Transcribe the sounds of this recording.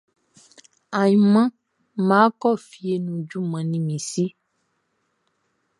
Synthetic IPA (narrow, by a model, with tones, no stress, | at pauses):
a˨jĩ˨mã˦ | mã˨˦kɔ˦˨fi˨e˨nũ˨d͡ʒu˦mã˨nĩ˨mĩ˨si˦